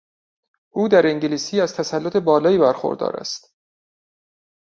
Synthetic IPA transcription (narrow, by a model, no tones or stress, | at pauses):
ʔuːd̪æɾeŋɟeliːsiːæz̥t̪ʰæsælːot̪ʰebɒːlɒːjiːbæɾxo̰ɾd̪ɒ̰ːɾæ̰st̪